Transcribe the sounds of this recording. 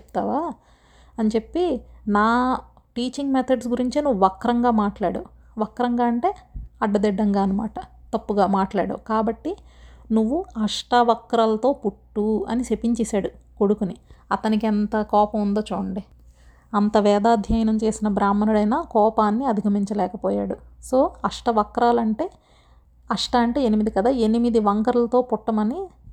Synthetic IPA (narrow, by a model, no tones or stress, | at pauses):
epu̥t̪a̰ːʋaː | ɐnit͡ʃepːinaː | ʈiːt͡ʃiŋɡmɛt̪ʰɐɖsɡuɾiɲt͡ʃinuʋːuʋɐkːɾɐŋɡaːmaːʈlaːɽɐ̰ | ʋɐkːɾɐŋɡaːɐɳʈe̞ːɐɖːɐd̪ɛɖːɐŋɡaːɐnɐma̰ːʈɐt̪ɐpːuɡaːmaːʈla̰ːɽɐ̰kaːbɐʈːinuʋːuɐʂʈɐʋɐkːɾɐlɐt̪o̞ːpuʈːuɐ̰nisepiɲt͡ʃɛːsaːɽukoɽukuniɐt̪ɐnikɛnt̪ɐkɔːpɐmund̪oːt͡ʃoːɐɳɖi | ɐnt̪ɐʋɛːd̪aːd̪ʱjɐjɐnɐmt͡ʃe̞ːsinɐbɾaːmːɐnuɽɐjnaːkɔːpaːnːiɐd̪ʱiɡʱɐmiɲt͡ʃɐlɛːkɐpɔːja̰ːɽusoːɐʂʈɐʋɐkɾaːlɐɳʈe̞ː | ɐʂʈɐɐɳʈe̞ːenimid̪ikɐd̪aːe̞nimid̪iʋɐŋkɐɾɐlɐt̪o̞ːpɔʈːɐmɐni